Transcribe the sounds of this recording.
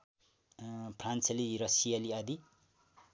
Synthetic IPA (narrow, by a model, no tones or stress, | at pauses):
pʰrant͡seliɾʌsijaliad̪i